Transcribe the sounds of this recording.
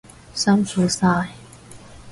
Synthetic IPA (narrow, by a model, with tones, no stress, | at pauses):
sa˥mfu˨˥saː˧j